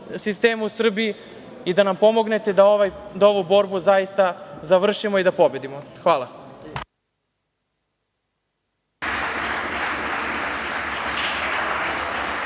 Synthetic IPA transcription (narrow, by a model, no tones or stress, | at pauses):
sist̪e̞ːmuusr̩bii | id̪anampo̞mo̞ɡne̞t̪e̞d̪aoʋajd̪aoʋubo̞ɾbuzajist̪azaʋr̩ʃimoid̪apo̞be̞d̪imoxʋaːlˠa